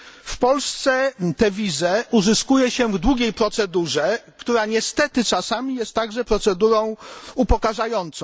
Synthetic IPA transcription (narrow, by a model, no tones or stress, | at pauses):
fpɔlst̪sɛt̪ɛvʲizɛuzɘskujɛɕɛvd̪wuɡʲejpɾɔt̪sɛd̪uʐɛkt̪uɾaɲɛst̪ɛt̪ɘt͡ʂasamʲijɛst̪ːaɡʐɛpɾɔt̪sɛd̪uɾɔ̃w̃upɔkaʐajɔnt̪sɔ̃